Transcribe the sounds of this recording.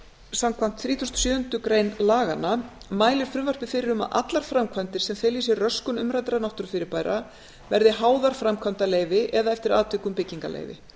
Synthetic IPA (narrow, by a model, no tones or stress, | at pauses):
samkʰvam̥t̪θɾiːt̪ʰɔst̪ʏ̥sjœːhʏnt̪ʏkɾejnlaːɣanːa | maːjlɪɾ̥fɾʏmvar̥pɪ̥fɪɾɪɾʏma̰ʔa̰t̪laɾ̥fɾamkʰant̪ɪɾ̥sɛmθɛjlis̬jɛrœskʏnʏmɾajt̪ɾanawht̪ʏɾ̥fɪɾɪɾpaːjɾa | vɛɾðɪɦaːwðaɾ̥fɾamkʰvant̪aleːjvɪʔɛðaɛft̪ɪɾaːt̪vɪkʏmpɪcːiŋka̰lḛjvɪ̰